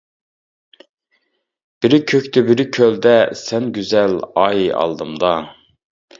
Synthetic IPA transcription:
b̥ɪɾɪkʲʰøkʲt̪ɛbɪɾɪkʲʰøld̪ɛsɛnɡʲyzɛlɑːjiʔɑ̰lˠd̪ɨmd̪ɑ

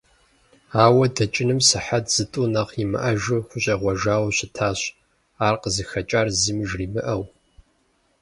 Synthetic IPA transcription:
aːwɐdɐt͡ʃʼɪnɨmsɨħatz̥ɨtʼunɐqimɨ̰ʔɐʒɨχʷʊɕʼɐʁʷɔʒaːwɕɪtʰaːɕ | aːrqəzɨxɐt͡ʃʼaːrzɨmɨʒriːmɨ̰ʔɐw

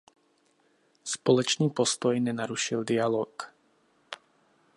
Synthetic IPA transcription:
spɔlɔt͡ʃniːpɔst̪ɔjɲɛnaɾuʃild̪ialɔːk

